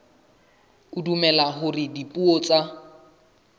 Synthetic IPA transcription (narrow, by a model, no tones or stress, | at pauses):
udumɛlaɦʊrɪdipʼuɔt͡sʼa